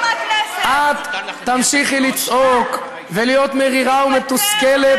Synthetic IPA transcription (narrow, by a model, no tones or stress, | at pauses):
ʔad̪ːamʃiχilit͡sok | velijo̞t̪meʁiʁaumet̪uskele